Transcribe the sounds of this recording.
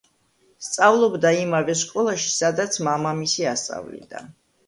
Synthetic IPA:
st̪sʼavlˠɔbd̪aimavɛskʼɔlˠaʃi̥sad̪at̪sʰmamamisiast̪sʼa̰vlḭd̪̥a̰

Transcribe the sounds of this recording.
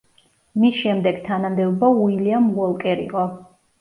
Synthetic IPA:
misʃɛmd̪ɛɡ̥t̪ʰanamd̪ɛɔbauiliamwɔlˠkʼɛɾḭqʼɔ

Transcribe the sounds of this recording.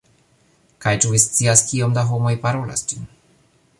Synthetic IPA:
kajt͡ʃuvist̪siaskiomd̪aɦomojpaɾola̰st͡ʃin

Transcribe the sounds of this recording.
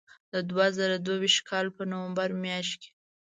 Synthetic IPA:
d̪əd̪wazəɾad̪wawiʃt̪̚kʰɑlpənowambaɾmjɑʃ̬t̪ke̥

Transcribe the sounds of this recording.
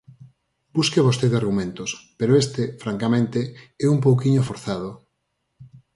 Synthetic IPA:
b̥uskeβost̪eðeaɾɣumẽnt̪ospeɾoest̪efɾaŋkamẽnt̪eɛump̬owkiɲofoɾθað̞o

